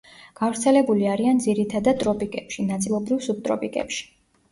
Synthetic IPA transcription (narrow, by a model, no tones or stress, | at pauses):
ɡ̥avɾt̪sʰɛlɛbuliaɾiand̪ziɾit̪ʰad̪at̪ʼɾɔpʼikʼɛpʃinat̪sʼilˠɔbɾivsub̚t̪ʼɾɔ̰pʼikʼɛ̰pʃi̥